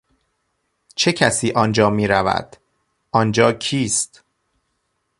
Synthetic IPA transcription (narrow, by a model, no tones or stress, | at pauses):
t͡ʃʰecʰæsiːʔɒnd͡ʒɒːmiːɾævæ̰d̪̥ | ʔɒnd͡ʒɒːcʰiːst̪